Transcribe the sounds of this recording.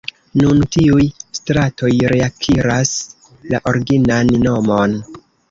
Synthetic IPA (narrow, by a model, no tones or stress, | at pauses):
nuntiujstɾato̞jɾe̞akʰiɾas | laʔo̞ɾɡinanːo̞mo̞n